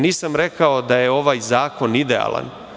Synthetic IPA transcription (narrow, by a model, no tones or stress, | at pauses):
niːsamɾekaod̪ajeo̞ʋaːjzaːko̞nid̪ea̰ːlˠa̰n